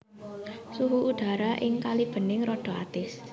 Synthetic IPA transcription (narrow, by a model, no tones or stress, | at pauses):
suɦuʔuɖ̪̥a̤ɾaʔɪŋkalib̥ə̤nɪŋɾɔɖ̥o̤a̰t̪ɪs